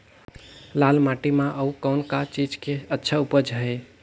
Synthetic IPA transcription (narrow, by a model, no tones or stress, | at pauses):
lalmaʈimãʔəukəʊnkat͡ʃid͡ʒkeətːʃʰaupəd͡ʒʱɦəj